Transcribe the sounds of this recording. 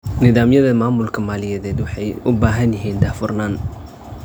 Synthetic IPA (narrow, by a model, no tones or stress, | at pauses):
nɪðaːmjɐðɐmaːmʊlkʰɐmaːlɪjɐðɛːd̪wɑħɑjʔʊbaːɦɐnjɪɦiːnd̪aːfʊrnaːn